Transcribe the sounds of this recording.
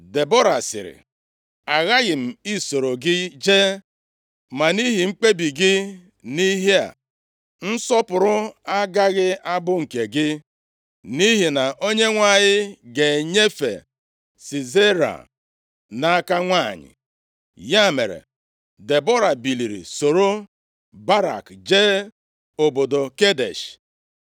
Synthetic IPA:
de˨bo˦ɾa˨sɪ̰˨ɾɪ̰˨ | a˨ɣa˦ɣɪ˨m̩˨i˦so˨ɾo˨ɡɪ˦d͡ʒe˦ | ma˨ni˦ɦi˨ŋ͡m̩˦k͡pe˦bi˨ɡɪ˦ | ni˦ɦi˦a̰˨ | n̩˦sɔ˦pʊ˨ɾʊ˦a˦ɡa˦ɣɪ˦a˦bʊ˦ŋ̩˨ke˨ɡɪ˦ | ni˦ɦi˨na˨ʔo˦ɲe˦ŋʷa˨ɲɪ˦ɡe˨ɲe˦fḛ˨ | si˨ze˦ɾa̰˨ | na˨a˦ka˦ŋʷa˦˨ɲɪ̰˨ | ja˦˨mḛ˨ɾḛ˨ | de˨bɔ˦ɾa˨bi˨li˨ɾḭ˨so˨ɾo˦ | ba˦ɾa̰˨kd͡ʒeː˦ | o˨bo˨do˨ke˦dḛ˨ʃ

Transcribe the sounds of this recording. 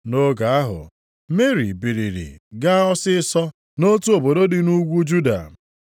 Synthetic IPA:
no˦ɡa˨a˦ɦʊ̰˨ | me˦ɾi˨bi˨ɾi˨ɾḭ˨ɡa˦ɔ˦sɪ˦sɔ˦ | no˦tu˦o˨bo˨do˦dɪ˨nu˦ɡʷu˦d͡ʒu˦da̰˨

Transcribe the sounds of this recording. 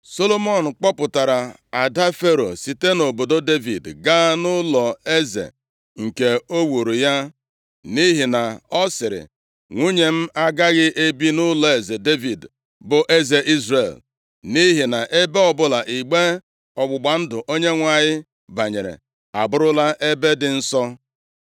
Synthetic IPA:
so˦lo˦mɔ˨n̩˨k͡pɔ˦pʊ˨ta˨ɾa˨ | a˨da˦fe˦ɾo̰˨si˨te˦no˨bo˨do˦de˦vi˨dɡa˦nʊ˦lɔ˨e˦zḛ˨ | ŋ̩˨ke˨o˦wu˨ɾu˨ja˦ | ni˦ɦɪ˨na˨ɔ˦sɪ˨ɾɪ̰˨ | ŋʷu˦ɲe˨m̩˦a˦ɡa˦ɣɪ˦ʔe˦bi˦nʊ˦lɔ˨e˨ze˨de˦vi˨d | bʊ˨ʔe˦ze˨ʔi˦zrḛ˨l | ni˦ɦɪ˨na˨ʔe˦be˦ɔ˨bʊ˦la˨ʔi˨ɡ͡be˦ | ɔ˨ɡ͡bʊ˨ɡ͡ba˨n̩˦dʊ˨ʔo˦ɲe˦ŋʷa˨ɲɪ˦ | ba˨ɲe˨ɾḛ˨ | a̰˨bʊ˦ɾʊ˦la˦ʔe˦be˦dɪ˨n̩˦sɔ˦

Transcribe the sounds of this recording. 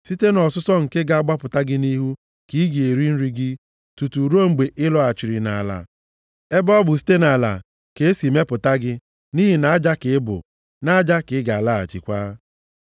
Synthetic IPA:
si˦te˦nɔ˨sʊ˦sɔ˦ŋ̩˨ke˦ɡa˨a˦ɡ͡ba˦pʊ˨ta˦ɡɪ˦ni˦ɦu˦ | ki˦ɡi˨e˨ɾi˦n̩˦ɾi˦ɡɪ˦ | tu˨tu˨ɾo˦ŋ͡m̩˨ɡ͡be˨ʔɪ˦lɔ˦a˨t͡ʃi˨ɾi˨na˨a˨la̰˨ | e˦bɔ˦bʊ˨s̬i̥˦te˦na˨la̰˨ | ke˦e˦si˨me˦pʊ˨ta˦ɡɪ˦ | ni˦ɦi˨na˨a˦d͡ʒa˦kɪ˨ɪ˦bʊ̰˨ | na˦a˦d͡ʒa˦kɪ˨˦ɪ˦ɡa˨a˨la˦a̰˨t͡ʃḭ˨kʷaː˦

